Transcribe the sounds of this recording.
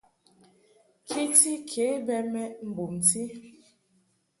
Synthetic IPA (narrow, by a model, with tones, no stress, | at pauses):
kʰi˦ti˦kʰe˨˦bɛ˦mɛ˦m̩˨bu˨mti˦